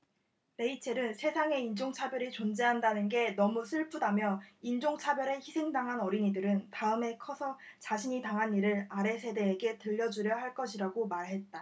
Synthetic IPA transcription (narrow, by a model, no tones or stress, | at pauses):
ɾe̞it͡ɕʰe̞ɾɯnsʰe̞sʰaŋe̞ind͡ʑoŋt͡ɕʰabjʌɾit͡ɕond͡ʑe̞ɦandanɯnɡe̞nʌmusʰɯɭpʰudamjʌind͡ʑoŋt͡ɕʰabjʌɾeçisʰe̞ŋdaŋɦanʌɾiɲidɯɾɯntaɯme̞kʰʌsʰʌt͡ɕaɕʰiɲitaŋɦaniɾɯɾaɾe̞sʰe̞de̞ːɡe̞tɯʎːʌd͡ʑuɾjʌɦaɭk͈ʌɕʰiɾaɡomaɾɦe̞t̚t͈a